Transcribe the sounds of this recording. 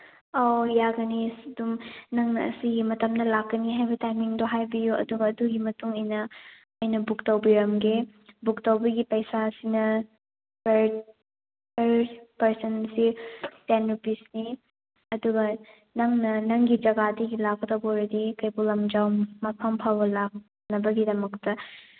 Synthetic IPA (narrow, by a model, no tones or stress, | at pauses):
ojaɡɐnisdumnɐŋnɐ̰ːsiɡimɐtɐmnɐlakːɐniɦajbɐtajmiŋdoɦajbijuʔɐ̰duɡɐːduɡimɐtuŋɐjnɐ | ɐjnɐbuk̚tɐwbiɾɐmɡebuk̚tɐwbɐɡipɐjsasinɐ | peɾ | peɾpɐɾsɐnsitenːupisni | ɐduɡɐ | nɐŋnɐnɐŋɡid͡ʒɐɡadiɡilak̚ɐtɐwboɾɐdikɐjbulɐmd͡ʒawmɐpʰɐmpʰawbɐlak̚ | nɐbɐɡidɐmɐk̚tɐ